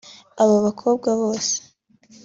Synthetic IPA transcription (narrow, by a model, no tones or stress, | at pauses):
aβaβakʰo̞ːbɡaβoːse̥